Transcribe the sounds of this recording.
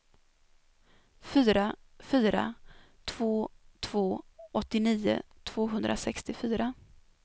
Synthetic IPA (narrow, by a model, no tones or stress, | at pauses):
fyːɾa | fyːɾa̰ | t̪ʰv̥oːt̪ʰv̥oːʔɔt̪ːɪniːʊ̰t̪ʰv̥oːɦɵnd̪ɾʔa̰sɛkst̪ɪfyːɾa